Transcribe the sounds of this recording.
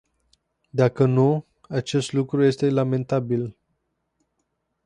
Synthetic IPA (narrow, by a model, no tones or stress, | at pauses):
d̪akənu | at͡ʃe̞st̪lukɾuje̞st̪e̞lame̞nt̪abil